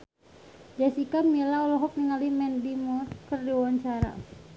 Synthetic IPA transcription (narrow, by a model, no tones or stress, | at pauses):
d͡ʒasikamilaɔlɔɦɔk̚niŋalimɛndimɔrkərdiwaɲt͡ʃaɾa̰